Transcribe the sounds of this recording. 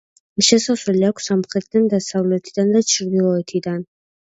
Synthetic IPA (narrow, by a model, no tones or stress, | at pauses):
ʃɛsaswɛliakʷʰsamχɾɛt̪ʰid̪and̪asavlɛt̪ʰid̪and̪at͡ʃʰɾd̪ilˠɔɛt̪ʰid̪an